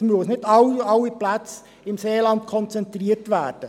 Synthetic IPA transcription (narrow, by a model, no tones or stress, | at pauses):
myəosnɪtɑwɑwːiplæt͡s | ɪmseːlɑnt̚kʰɔnt͡sɛnt̪riəɾtʋæːɾd̥ə